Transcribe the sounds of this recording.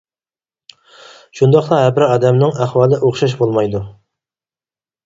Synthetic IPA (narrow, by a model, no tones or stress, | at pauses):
ʃund̪ɑχt̪ˠɑɦɛbɪɾɪɑːd̪ɛmnɪŋæχwɑːlˠɪʔoχʃɑʃ̬bolˠmɑjd̪u